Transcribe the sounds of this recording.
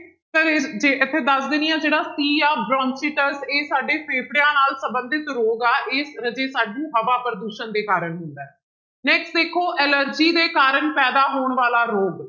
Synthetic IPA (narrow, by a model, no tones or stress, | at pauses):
t̪əɾd͡ʒeːʔɪt̪ʰːeːd̪əsd̪eːnijãːd͡ʒeːɽaːsiːaːbɾɔ̃ːnsiʈəɾseːsaːɖeːpʰeːpʰɽejãːnaːlsəbə̃nd̪ɪt̪ɾoːɡaːʔeːd͡ʒeːsaːɖũːɦəʋaːpəɾəd̪uːʃənd̪eːkaːɾəɳɦʊ̃nd̪aːɛː | nɛːksʈd̪eːkʰːoːʔɛːləɾd͡ʒiːd̪eːkaːɾəɳpɛːd̪aːɦoːɳʋaːlaːɾoːɡ